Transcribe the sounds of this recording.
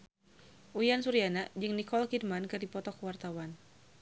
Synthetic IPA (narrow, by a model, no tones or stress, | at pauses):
ʔujansuɾianad͡ʒɨŋnikɔlkidmankɨrdipɔt̪ɔkəwart̪awan